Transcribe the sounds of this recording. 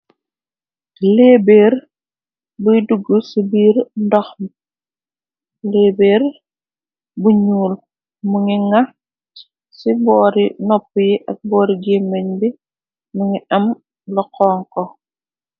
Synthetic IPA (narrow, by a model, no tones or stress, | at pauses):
leːbeːɾ | buduɡːusibiːɾndɔxm | leːbeːɾ | buɲuːl | muŋiŋa | sibɔːɾinɔpːjiʔɐk̚bɔːɾiɡeːmːeɲbi | muŋiɐm | lɔqɔːŋkɔ